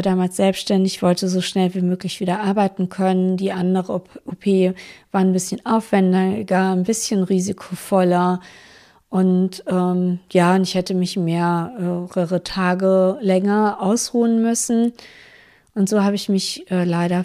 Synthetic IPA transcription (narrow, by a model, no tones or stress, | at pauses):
daːmaːlsz̥ɛlpsʃtɛndɪçv̥ɔltəzoːʃnɛlviːmøːklɪçv̥iːdɐʔaɐbaɪtn̩kʰœnəndiːʔandəʁəʔopʰeːvaːɐnbɪsçənʔaʊfv̥ɛndɐɡ̥aːnbɪsçənʁiːzikʰofɔlɐ | ʔʊntʔɛːmjaːʊntɪçhɛtəmɪçmeːɐʔɛːʁəʁətʰaːɡəlɛŋɐʔaʊsʁuːənmʏsn̩ | ʔʊntz̥oːhaːbəɪçmɪçʔɛːlaɪɾɐ